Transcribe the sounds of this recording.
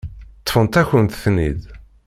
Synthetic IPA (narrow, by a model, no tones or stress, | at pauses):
t̪ˤːfənt̪æçənt̪θnḭd̪